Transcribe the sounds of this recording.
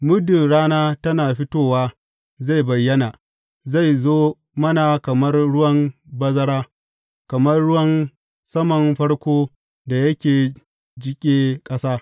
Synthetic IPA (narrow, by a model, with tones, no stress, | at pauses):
mʊ˦dɪ˨nɽaː˦naː˦tɐ˦naː˨ɸɪ˦toː˦waː˦ | za˦˨jbɐ˨jːɐ˦na˨ | za˦˨jzoː˦ | mɐ˦naː˨kɐ˨mɐ˦rɽʊ˦wɐ˦m | bɐ˦zɐ˦ɽaː˦ | kɐ˨mɐ˦rɽʊ˦wɐ˦n | sɐ˦mɐ˨nɸɐ˦ɽkʷoː˦ | da˨jɐ˦kʲeː˨ | d͡ʒɪ˦kʲʼeː˦kʼɐ˦saː˦